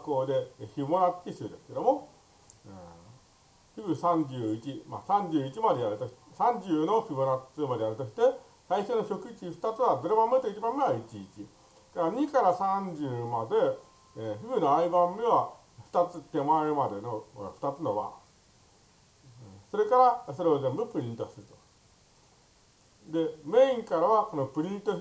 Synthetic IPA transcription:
ako̞ːd̪e̞çimonat̪ʲːisɨd̪e̞sɨ̥ke̞d̪omo | çɯbɯ̟sãɲd͡ʑɨːit͡ɕima̰sãɲ̟d͡ʑɨːit͡ɕimad̪e̞jaɾɯ̟t̪oɕi̥tsãɲ̟d͡ʑɨːno̞çibonat͡sɨmad̪e̞jaɾɯ̟t̪o̞ɕi̥t̪e̞ | saiɕonoɕo̞kɯ̟it͡ɕiɸɯ̥t̪at͡sɨβad̪o̞ɾebãmːet̪oit͡ɕibãmːe̞βait͡ɕiːt͡ɕi | kaɾaɲikaɾasãɲd͡ʑɨːmad̪e̞ | ɸɯbɯ̟no̞aibãmːe̞βa | ɸɯ̥t̪at͡sɨt̪e̞mãmad̪e̞no̰ɸɯ̟̥t̪at͡sɨno̞βa̰ | so̞ɾe̞kaɾasoɾeozẽ̞mbɯ̟pɯ̟ɾʲĩnt̪osɨɾɯ̟t̪o̥ | d̪e̞mẽ̞ĩŋkaɾaβako̞no̞pɯ̟ɾʲĩnt̪o

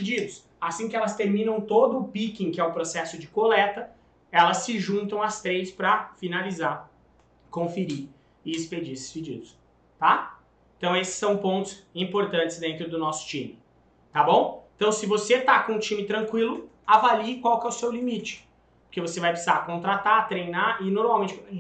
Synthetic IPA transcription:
pid͡ʒid̪ʊs | asĩkɪɛlɐst̪eɾmĩnɐ̃w̃t̪od̪ʊːpikĩkɪɛʊpɾosɛsʊd͡ʒɪkolɛt̪ɐ | ɛlɐsːɪʒũnt̪ɐ̃w̃ɐst̪ɾejspɾɐfinalizaɾ | kõfeɾi | ɪɪsped͡ʒiesɪ̥sped͡ʒḭd̪ʊs | t̪a | eẽt̪ɐ̃w̃esɪ̥sːɐ̃w̃põnt̪ʊ̥sĩpoɾt̪ɐ̃nt͡ʃɪ̥zd̪ẽnt̪ɾʊd̪ʊnɔsʊ̥t͡ʃĩmɪ | t̪abõw̃ẽt̪ɐ̃w̃sɪvoset̪akõũt͡ʃĩmɪt̪ɾɐ̃ŋkwilʊ | avaliɪkwawkɛʊsewlimit͡ʃɪ̥ | poɾkevosevajpesizakõnt̪ɾat̪at̪ɾejnaɪnoɾmawmẽt͡ʃɪ

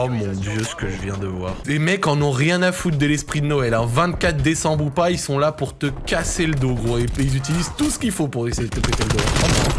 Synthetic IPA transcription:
ɔmɔ̃d̪jøsə̥kəʒəvjɛ̃d̪əvwaʁlemɛkɑ̃nɔ̃ʁjɛ̃nafut̪̚d̪əlɛspχid̪ənɔɛlɛ̃vɛ̃t̪kat̪χd̪esɑ̃bʁupailsɔ̃lapuʁt̪əkaseləd̪oɡʁoeilzyt̪̬ilizt̪usə̥kʲilfopuʁesejed̪ət̪əpet̪eləd̪õɔ̃bɛ̃

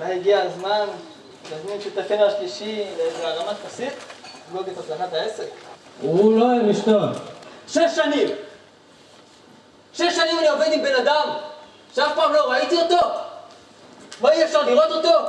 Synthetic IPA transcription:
mahiɡiazman | mazminʃit̪afemaʃliʃileaʁamat̪kasit̪loɡet̪azlanataesekuloeʁiʃt̪onʃeʃːanim | ʃeʃːanimanio̞ved̪imbe̞nad̪am | ʃeafpaːmlo̞ʁait̪iot̪o̞ | maiefʃaʁliʁo̞t̪ot̪o̞

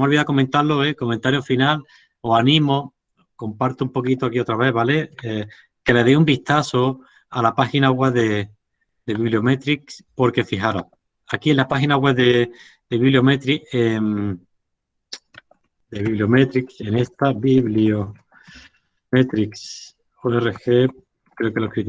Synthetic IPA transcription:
omolβiðako̞mẽnt̪aloeko̞mẽnt̪aɾjofinal | oanĩmo̞ | ko̞mpaɾt̪oumpo̞kit̪oakiot̪ɾaβe̞βale̞e | ke̞leðeumbiht̪aso | alapaxinaɣweβðe̞ | d̪eβiβlio̞met̪ɾikspo̞ɾke̞fiɦaɾa̰ | akienlapaxinaɣwe̞βðe | d̪eβiβliomet̪ɾiem | d̪eβiβliome̞t̪ɾikse̞ne̞st̪abiβlio | me̞t̪ɾiks | oere̞xe̞ | kɾe̞okelo̞kɾit̪

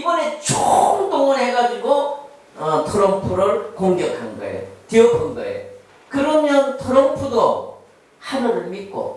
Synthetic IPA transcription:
ibʌne̞t͡ɕoŋt͈oŋɯɭɦeɡad͡ʑiɡo | ʌtʰoɾʌmpʰuɾɯɭkoŋɡjʌkʰanɡʌ̰ḛotiʌkʰʌnɡʌḛ | kɯɾʌmjʌntʰoɾʌmpʰudo | habʌnɯɭmit̚k͈o̰

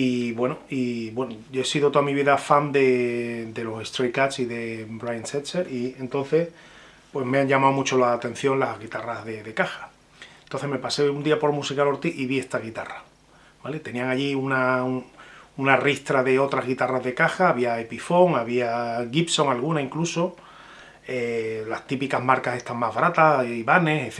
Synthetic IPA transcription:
iβwe̞noiβwe̞noʝoesiðot̪oamiβ̞iðafand̪e̞d̪e̞lo̞sest̪ɾojkasiðe̞bɾajanseseɾie̞nt̪õ̞n̟θe̞h | pwe̞ɦmeaɲʝamawmut͡ʃolaːt̪en̟θjo̞nlazɣit̪arazðe̞ðe̞kaxḁ | ent̪oθeɦme̞pase̞und̪iapo̞ɾmusikalo̞ɾt̪iʔiβie̞st̪aɣit̪a̰ra | b̥ale̞t̪e̞nĩaŋaʎiuna | unarist̪ɾaðe̞o̞t̪ɾaɦɣit̪araɦðe̞kaxaːβ̞iaepifo̞ŋaβiaɣipso̞ŋalɣunaiŋkluso̞ | elast̪ipikaɦmaɾkase̞ht̪amaɦβaɾat̪aiβane̞seθ

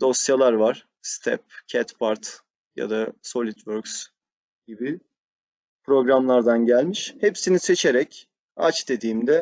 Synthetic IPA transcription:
d̪o̞sjalˠaɾvaɾ̥ | st̪ʰɛ̰p̚cʰɛt̪baɾt̪ | ja̰d̪aso̞lʲit̪ʰvøɾks | ɟibi | pɾo̞ɡɾamlˠaɾd̪anɟælʲmiʃhepsinise̞t͡ʃʰeɾɛc | a̰t͡ʃd̪e̞d̪iːmd̪ɛ

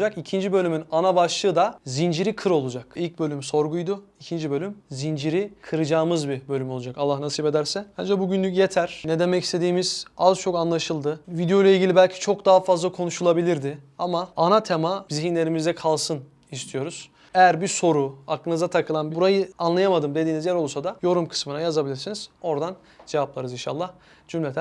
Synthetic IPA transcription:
d͡ʒakicʰind͡ʒibø̞lʲymynanabaʃlˠɯːd̪azind͡ʒiɾikʰɯɾo̞lˠud͡ʒakilʲc̚bø̞lʲymso̞ɾɡujd̪ʊicʰind͡ʒibø̞lʲymzind͡ʒiɾikʰɯɾɯd͡ʒaːmɯzbibølʲymo̞lˠud͡ʒakalˠːahnasiːpe̞d̪æɾsɛhand͡ʒabuɟynlʲycje̞t̪ʰæɾ̥ned̪e̞mɛcʰist̪ʰe̞d̪iːmiz̥azt͡ʃʰo̞kanlˠaʃɯlˠd̪ɯvid̪ejolˠailʲɟilʲibælʲcʰi̥t͡ʃʰo̞kd̪aɦafazlˠakʰo̞nuʃulˠabilʲiɾd̪ɪamaːnat̪ʰe̞maziɦinlʲe̞ɾimizd̪ɛkʰalˠsɯn | ist̪ʰijo̞ɾuz̥ | ejæɾbiso̞ɾuaklˠɯnɯzat̪ʰakʰɯlˠanbbuɾajɯanlˠajamad̪ɯmd̪ed̪iːnizjæɾo̞lˠsad̪ajo̞ɾumkʰɯ̥smɯnajazabilʲiɾsiniz̥o̞ɾd̪an | d͡ʒevap̚lˠaɾɯzinʃa̰lˠːah | d͡ʒymlʲet̪ʰ

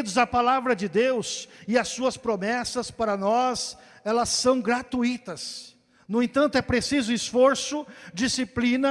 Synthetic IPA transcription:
id̪ʊzɐpalavɾɐd͡ʒɪd̪ewsɪɐsuɐspɾomɛsɐspaɾɐnɔs | ɛlɐsːɐ̃w̃ɡɾat̪uit̪ɐs | nʊẽt̪ɐ̃nt̪ʊɛpɾesizʊisfoɾsʊd͡ʒisiplĩnɐ

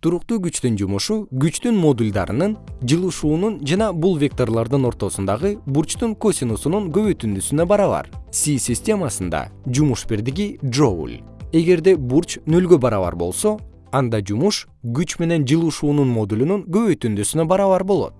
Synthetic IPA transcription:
t̪ʰuɾuq̚t̪uːɡyt͡ʃt̪ynd͡ʒumuʃuɡyt͡ʃt̪ynmo̞d̪ulʲd̪ɑ̰ɾɯnɯnd͡ʒɯlˠuʃuːnund͡ʒɑnɑbulˠvʲe̞k̚t̪o̞rlˠɑɾd̪ɯno̞ɾt̪o̞sund̪ɑʁɯbuɾt͡ʃt̪uŋko̞sʲinusunuŋɡø̞βøjt̪ynd̪ysynøbɑɾɑβɑ̰ɾsʲisʲisʲtʲe̞mɑsɯnd̪ɑ̰d͡ʒumuʃbiɾd̪iɡiʒo̞̰lʲ | e̞ɡe̞ɾd̪e̞buɾt͡ʃnølɡøbɑɾɑβɑ̰ɾbo̞̰lˠso̞ | ɑnd̪ɑd͡ʒumuʃ | ɡyt͡ʃme̞ne̞nd͡ʒɯlˠuʃuːnunmo̞d̪ulʲunuŋɡø̞βøjt̪ynd̪ysynøbɑɾɑβɑɾbo̞lˠo̞̰t̪̚

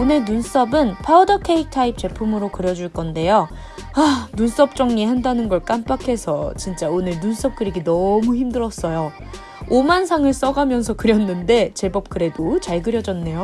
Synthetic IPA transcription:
onɯɭnuns͈ʌbɯnpʰaɯdʌkʰeik̚tʰaip̚t͡ɕ͈e̞pʰumɯɾokɯɾjʌd͡ʑuɭk͈ʌnde̞jʌ | anuns͈ʌp̚t͡ɕ͈ʌŋɲihandanɯnɡʌɭk͈amp͈akʰe̞sʰʌt͡ɕint͡ɕ͈aonɯɭnuns͈ʌp̚k͈ɯɾiɡinʌmuçimdɯɾʌs͈ʌjo | omansʰaŋɯɭs͈ʌɡamjʌnsʰʌkɯɾjʌnːɯnde̞t͡ɕe̞bʌp̚k͈ɯɾe̞dot͡ɕaɭɡɯɾjʌd͡ʑʌnːe̞jo

